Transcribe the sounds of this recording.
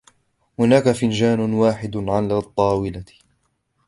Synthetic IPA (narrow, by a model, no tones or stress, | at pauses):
hʊnaːkafɪnd͡ʒaːnʊwaːħɪd̪ʕalat̪ˤːɑːwɪla